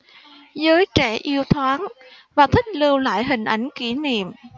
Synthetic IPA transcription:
zəː˨˦jt͡ɕɛ˧˩ʔi˧əwt̪ʰwaː˨˦n | vaː˨˩t̪ʰï˦˥k̟̚lɨ˧əwla̰ː˧˨jɦï˨˩ŋ̟ʔa˨˩jŋ̟ki˧˩nḭ˧˨əm

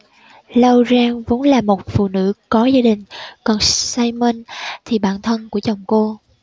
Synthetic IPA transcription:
lə˧wzaː˧ŋvo̰˨˦nlaː˨˩mo˨˩t̚fṵ˧˨nɨ̰˧˥kɔ˨˦zaː˧ɗï˨˩ŋ̟kɔ˨˩nsaː˧jmə˧nt̪ʰi˨˩ɓaː˧˩nt̪ʰə˧nku˧˩ət͡ɕa˨˩wŋ͡mko˧

